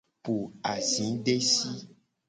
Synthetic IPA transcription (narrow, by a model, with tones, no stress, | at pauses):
pu˨a˨zĩ˨˦ɖe˦si˦